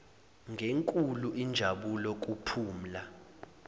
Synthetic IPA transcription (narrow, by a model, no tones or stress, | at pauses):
ŋɡʱeŋkʼuluind͡ʒʱaɓulɔk̬ʼupʰuːm̩la